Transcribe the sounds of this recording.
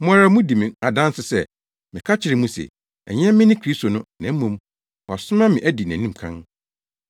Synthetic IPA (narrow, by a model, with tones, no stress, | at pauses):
mʊ˦a˦ɾa˦mũ˦di˨mɪ̃˨a˨dã˦nsɪ˨sɛ˦ | mɪ̃˨kʰa˦t͡ɕʰɪ˨ɾɪ˨mũ˦sɛ̰˨ | ɛ˨ɲɛ̃˦mɪ̃˦nɪ̃˦kʰɾi˦sto˨nʊ̃˦nã˨m̩˦mũ˨˦m | ɔ˨sʊ˦mã˦mɪ̃˨ʔæ˦di˨næ̰̃˨nĩ˦m˨kʰã̰˦n